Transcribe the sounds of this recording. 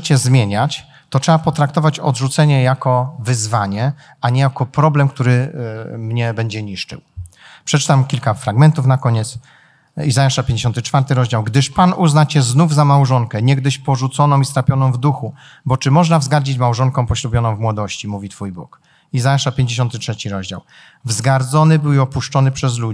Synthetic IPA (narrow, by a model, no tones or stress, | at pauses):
t͡ɕɛzmʲjeɲat͡ɕ | t̪ɔtʂɛbapɔt̪ɾak̚t̪ɔvat͡ɕɔ̰d̪ʐut̪sɛɲɛjakɔvɘzvaɲɛ | aɲɛjakɔpɾɔblɛmkt̪uɾɘmɲɛbɛɲd͡ʑɛɲiʂt͡ʂɘ̰wpʂɛt͡ʂɘ̥t̪amkʲilkafɾaɡmɛnt̪ufnakɔɲɛt̪s | izajaʂapʲjeɲd͡ʑeɕɔnt̪ɘt͡ʂfaɾt̪ɘɾɔʑd͡ʑawɡd̪ɘʂpanuznat͡ɕɛznuvzamawʐɔŋkɛɲɛɡd̪ɘɕpɔʐut̪sɔnɔ̃w̃ist̪ɾapʲjɔnɔ̃w̃vd̪uxu | bɔt͡ʂɘmɔʐnavzɡaɾd͡ʑit͡ɕmawʐɔŋkɔ̃w̃pɔɕlubʲjɔnɔ̃w̃vmwɔd̪ɔɕt͡ɕimuvʲit̪fujbṵk | izajaʂapʲjeɲd͡ʑeɕ̬ɔnt̪ɘtʂɛt͡ɕiɾɔʑd͡ʑa̰w | vzɡaɾd̪zɔnɘbɘwɔpuʂt͡ʂɔnɘpʂɛzlu